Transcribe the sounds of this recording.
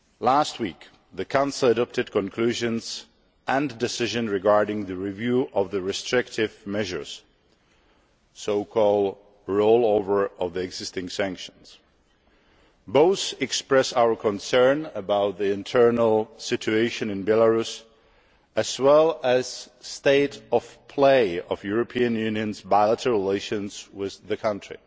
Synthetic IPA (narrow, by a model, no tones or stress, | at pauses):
last̚wiːk | ðɨkʰãʊ̃nsl̩ˠədɔp̚tɨd̚kɔ̃nkʰluʒɨ̃nz | ʔɛ̃ndɪsɪʒɨ̃nɹɪɡɑɹdɪ̃ŋðɨɹivjuːʔɔvðɨɹɪstɹ̥ɪktʰɪvmɛʒə̰˞s | soʊkʰɔlˠd | ɹoʊlˠoʊvə˞ɔvðiɛɡzɪstɪ̃ŋsæ̃ŋkʃə̃ns | boʊθɨkspɹɛsaʊə˞kʰə̃nsɜ̃˞nəbaʊt̪̚ðiɪ̃ntʰɜ˞nl̩ˠsɪt͡ʃʉeɪʃɨ̃nɨ̃nbɛləɹus | ʔɨz̥wɛlˠɨz̥ | steɪɾʌv̥pʰl̥eɪʌvjʊɹɨpʰiɨ̃njʉ̃njɨ̃nzbaɪlˠətʰəɹɪleɪʃɨ̃nz̥wɪððɨkʰʌ̃ntʰɹ̥ḭ